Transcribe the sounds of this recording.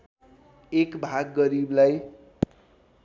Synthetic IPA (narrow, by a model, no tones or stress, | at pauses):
ekbʱaɡːʌɾiblaj